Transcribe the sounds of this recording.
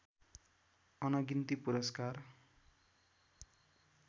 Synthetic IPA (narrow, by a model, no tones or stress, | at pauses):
ʌnʌɡint̪ipuɾʌskar